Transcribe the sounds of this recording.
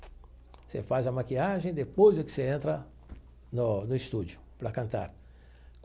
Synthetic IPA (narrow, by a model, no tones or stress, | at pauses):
sḛfazɐmakiaʒẽj̃d̪epojzd̪ʊkɪ̥seẽnt̪ɾɐ | nʊnʊist̪ud͡ʒʊpɾɐkɐ̃nt̪a̰ɾ